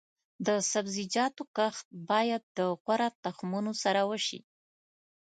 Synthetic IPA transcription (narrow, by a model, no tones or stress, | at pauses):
d̪əsabzid͡ʒɑt̪okaxt̪̚bɑjad̪̚ːəɣwaɾat̪axmunosaɾawəʃḭ